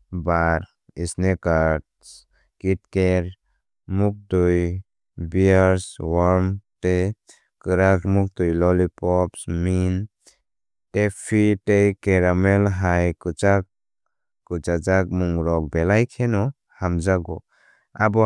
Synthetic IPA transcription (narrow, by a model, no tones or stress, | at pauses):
baɾ | isnɛkat | s | kit̚kɛɾ | muk̚tuj | biaɾswaɾmte | kɯɾakmuk̚tujlɔlipɔpsmin | tepʰitejkɛɾamɛlɦajkɯt͡ʃak̚ | kut͡ʃad͡ʒak̚muŋɾɔk̚bɛlajkʰɛnɔ | hamd͡ʒaɡɔ | abɔ